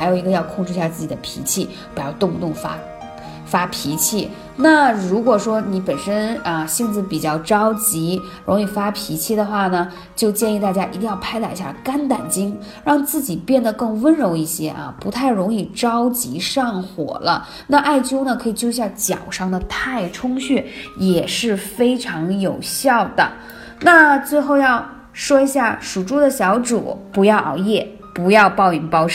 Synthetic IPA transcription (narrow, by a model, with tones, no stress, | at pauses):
ɪjo˨˩i˧˥ɡə˧jɑ˥˧ʊkʰʊ˥˧ŋʈ͡ʂɻ̩˥˧ɕja˥˧t͡sɹ̩˥˩t͡ɕi̥˨˩ə˦pʰḭ˧˥t͡ɕʰi˥˩ | pi˨˧˩jɑ˥˧ʊt̪ʊ˥˧ŋt̪ʊ˥˩ŋfa̰˥ | fa˥pʰi˧˥t͡ɕʰi˥˩ | na˥˩ɻu˧˥kwɔ˨˩ʂwɔ˥ni˧˥pə˨˩nʂə˥nə˧ɕi˥˧ŋt͡sɹ̩˥˩pi˨˩t͡ɕjɑ˥˩ʊʈ͡ʂɑ˥ʊt͡ɕi˧˥ | ɻʊ̰˧˥ŋi˥˩fa˥pʰi˧˥t͡ɕʰi˥˩d̪ə˩xwa˥˩nə˩ | t͡ɕjo˥˧ʊt͡ɕjɛ˥˧ni˥˧t̪a˥˩t͡ɕja˥ʔi˧t̪i˥˧jɑ˥˧ʊpʰa˥ɪla˧ɪ˧˥ɕja̰˥˩ka˥nt̪̬a̰˨˩nt͡ɕi˥ŋ | ɻɑ˥˧ŋt͡sɹ̩˥˩t͡ɕi˨˩pjɛ˥˩nd̪ə˩kɤ˥˩ŋwə˥nɻʊ˧˥ŋi˥˩ɕjɛ˥ʔɐ̰˧pu˧˥t̪ʰa˥˩ɪɻʊ˧˥ŋi˥˩ʈ͡ʂɑ˥ʊt͡ɕi˧˥ʂɑ˥˩ŋxwɔ̰˨˩lə˦ | na˥˧ʔa˥˩ɪt͡ɕjo˥ʊnə˨kʰɤ˧˥i˨˩t͡ɕjo˥ʊi˧˩ɕja˥˩t͡ɕjɑ̰˨˩ʊʂɑ˥˩ŋd̪ə˨t̪ʰa˥˩ɪʈ͡ʂʰʊ˥ŋɕy˥˩jɛ˨˩ʂɻ̩˥˩fe˥ɪʈ͡ʂʰɑ˧˥ŋjo˨˩ʊɕjɑ˥˩ʊd̪ə̰˩ | na˥˧t͡swe˥˧ɪxo˥˧ʊjɑ˥˧ʊ | ʂwɔ˥i˧˥ɕja˥˩ʂu˨˩ʈ͡ʂu˥d̪ə˨ɕjɑ˧˥ʊʈ͡ʂṵ˨˩pu˧˥jɑ˥˧ʊʔɑ̰˥˩ʊjɛ˥˩ | pu˧˥jɑ˥˧ʊpɑ˥˧ʊi˨˩ŋpɑ˥ʊʂ